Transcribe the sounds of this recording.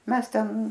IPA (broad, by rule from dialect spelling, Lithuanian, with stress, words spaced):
ˈmʲɛs ˈtʲɛn